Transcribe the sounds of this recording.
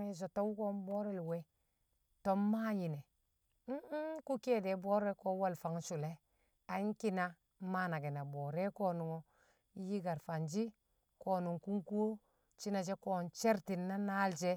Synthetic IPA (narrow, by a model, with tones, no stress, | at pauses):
e˨s̬o˨to˦wu˦ko˦mbo˦ɾe˦lwe˦ | to˦mma˦ji˨ne˨˦ | ku˦ke˦de˨bo˦ɾe˦ko˦wa˦lfa˨ŋ˦su˨le˦ | a˨i˦ŋki˦na˦ | ma˦na˨ɡe˨na˨bo˨ɾe˦ko˦nu˨ŋo˨˦ | ji˦ɡa˨ɾfa˨nd͡ʒi˦ | ko˨nu˨ŋku˦ŋku˦ | t͡ʃi˦na˨d͡ʒe˦ko˦nt͡ʃe˦ɾti˨nːa˦na˦ld͡ʒe˦